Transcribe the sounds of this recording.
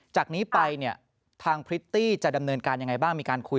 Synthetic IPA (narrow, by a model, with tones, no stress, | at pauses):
t͡ɕaː˨˩k̚niː˦˥pa˧jni˥˩ɐ | t̪ʰaː˧ŋpʰɾi˦˥t̪ːiː˥˩t͡ɕa˨˩da˧mnɤː˧nkaː˧nja˧ŋa˧jbaː˥˩ŋmiː˧kaː˧nkʰu˧